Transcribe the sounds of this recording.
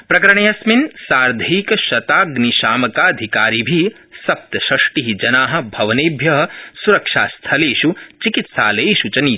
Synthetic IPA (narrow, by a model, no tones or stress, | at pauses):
pɾɐkɐɾɳ̃ejɐsminsaːɾd̪ʱiːkʃɐt̪aːɡniʃaːmɐkaɐd̪ʱikaːɾibʱi | sɐp̚t̪ɐʃɾɐʂʈiɦid͡ʒɐnaːɦɐ̆bʱɐʋɐneːbʱjɐɦɐ̆suɾɐkʃaːst̪ʰɐleːʃut͡ʃikit̪sa̰ːleʃut͡ʃɐniː